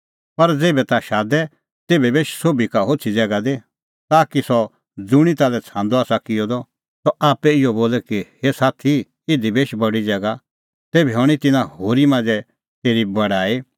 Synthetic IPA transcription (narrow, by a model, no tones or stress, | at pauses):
pɐɾd͡zeːbɛt̪aʃaːd̪ɛ | t̪eːbɛbeːʃsoːbikaɦoːt͡sʰid͡zɛːɡad̪e | t̪aːkisɔ | d͡zʊɽ̃it̪aːlɛt͡sʰãːnd̪ɔaːsakɪjɔd̪ɔ | t̪ɔʔaːpɛɪjɔboːlɛkihesaːt̪ʰi | ɪd̪ibeːʃbɐɽid͡zɛːɡa | t̪eːbɛɦɔɽ̃it̪ɪnãhoːɾimãːnd͡zɛ | t̪eːɾibɐɽaːi